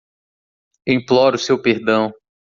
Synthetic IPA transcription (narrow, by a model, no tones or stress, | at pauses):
ẽj̃plɔɾʊsewpeɾd̪ɐ̃w̃